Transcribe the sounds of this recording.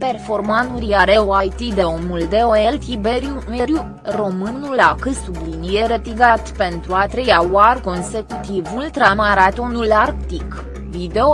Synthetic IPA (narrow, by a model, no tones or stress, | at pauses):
pe̞rfo̞rmanuɾiaɾeoajt̪id̪eomuld̪eoelt̪ibeɾjuneɾju | ro̞mɨnulakɨsublinijeɾət̪iɡat̪pe̞nt̪ɾuat̪ɾejawarko̞nse̞kut̪ivult̪ɾamaɾat̪o̞nularkt̪ik | vid̪eo